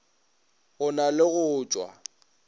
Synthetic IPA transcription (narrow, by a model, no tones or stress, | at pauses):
ɣʊnalɪɣʊːt͡ʃʼwa̰